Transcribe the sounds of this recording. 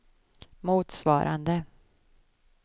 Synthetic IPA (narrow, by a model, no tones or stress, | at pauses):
muːt̪svɑ̰ːɾʔa̰nd̪ə